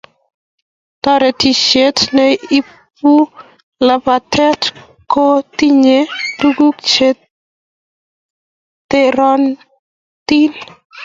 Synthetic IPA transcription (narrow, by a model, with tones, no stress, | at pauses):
t̪ɔ˦ɾɛ˨ti˨ʃe˦tnɛi˦ | p̚u˦ | la˨ba˨tʰɛ˦t | ko˦ti˦ɲe˦tu˦ɡu˦kt͡ʃe˦t | eɾɔ˦n | t̪i˦n